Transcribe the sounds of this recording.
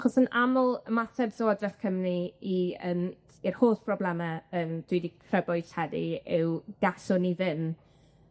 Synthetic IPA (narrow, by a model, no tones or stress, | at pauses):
aχɔsənamʊlˠəmatʰɛbsoadrɛθkʰəmniiəːn | irhoːθb̥rɔblɛmaəːnd̥widikʰrəbɔɨ̥ɬhɛdḭɪwɡ̥asʊniðɪn